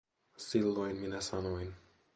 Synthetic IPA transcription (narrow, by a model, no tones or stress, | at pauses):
silːojnminæsɑnojn